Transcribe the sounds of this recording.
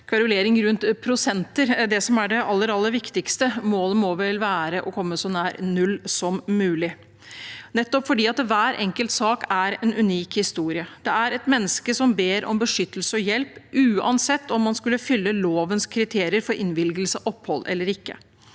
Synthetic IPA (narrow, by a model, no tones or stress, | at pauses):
kʰɑɾʉleːɾɪŋɾʉnt̪pʰɾʊsɛnt̪əɾd̪ɛsɔmæɖɛʔɑlːəɾɑlːəɾʋɪkt̪ɪkst̪əmoːləmɔʋɛlʋæːɾəʔɔkʰɔmːəsɔnæːɾnʉlːsɔmːʉːlɪ | nɛt̪ːɔpfɔɖiːɑt̪ʋæːɾɛŋkəlt̪sɑːkæɾɛnʉniːkhɪst̪uːɾɪəd̪̥ɛæɾɛt̪mɛnːəskəsɔmbeːɾɔ̰mbəʂʏt̪ːəlsəɔjɛlpʔʉːɑ̰nsɛt̪ːɔmːɑnskʉlːəfʏlːəloːʋənskʰɾɪt̪ʰeːɾɪəɾfɔɾʔɪnʋɪlɡəl̩səʔɔpːhɔlːʔɛ̰lːəɾɪkːə